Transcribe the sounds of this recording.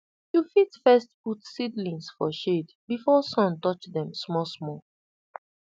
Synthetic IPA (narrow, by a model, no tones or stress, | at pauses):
jufitfɛstputsidlĩŋsfɔʃed | bifɔsɔ̃ntɔt͡ʃðɛ̃msmɔsmɔ